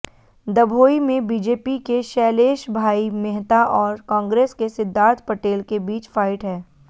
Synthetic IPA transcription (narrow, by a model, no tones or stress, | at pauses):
d̪ɐbʱoːimẽbiːd͡ʒeːpikeʃɛːleːʃbʱaːimɛɦt̪aʔɔːɾkãːŋɡɾeːskesɪd̪ʱːaːt̪pɐʈeːlkebiːt͡ʃfaːɪʈɦɛː